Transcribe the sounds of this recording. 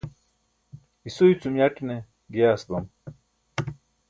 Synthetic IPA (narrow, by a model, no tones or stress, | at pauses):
isoit͡sumjaʈne | ɡesd̪ɐm